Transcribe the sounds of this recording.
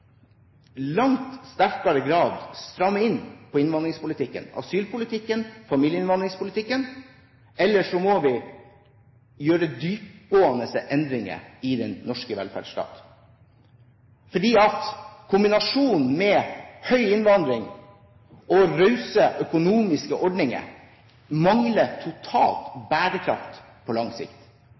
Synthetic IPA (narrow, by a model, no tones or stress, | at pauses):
lɑŋt̪st̪æɾkɑɾəɡɾɑːd̪st̪ɾɑmːəɪnpʰɔɪnʋɑnd̪ɾɪŋspʊlɪt̪ʰɪkːə̰nɑ̰syːlpʰʊlɪt̪ʰɪkːənfɑmiːljəɪnʋɑnd̪ɾɪŋspʊlɪt̪ʰɪkːən | ɛlːəʂɔmɔʋɪ | jøːɾəd̪yːp̚ɡoːɑnəsəʔɛnd̪ɾɪŋə̰ɪd̪ɛnnɔʂkəʋɛ̰lfæ̰ːɖʂʈɑ̰ːt̪ | fɔɖiːɑt̪kʰʊmbɪnɑʂuːnmɛhœʏɪnʋɑnd̪ɾɪŋ | ɔɾœʉsəʔœkʊnuːmɪskəʔɔɖnɪŋə̰ | mɑŋlət̪ʰʊt̪ʰɑ̰ːlt̪bæːɾəkʰɾɑ̰ft̪ | pʰɔlɑŋsɪ̰kt̪